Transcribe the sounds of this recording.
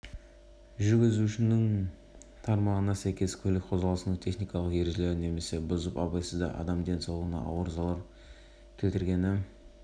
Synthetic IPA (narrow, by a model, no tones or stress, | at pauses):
ʒʏɾɡʲɪzuʃɪnɪŋ | t̪ʰɑɾmɑʁənɑsæjkʲe̞skʲʰɵlɪk̚ʲqʰo̞zʁɑlˠəsnət̪ʰe̞χnijkɑlˠəqje̞ɾʒle̞ɾɪnːe̞me̞se̞bʊzəpɑbɑjsəzd̪ɑ̰ʔɑ̰d̪ɑmd̪e̞nsɑwlˠʁənɑ̰ʔɑ̰wəɾzɑlˠɑɾ | kʲʰe̞lt̪ɪɾɡʲe̞nɪ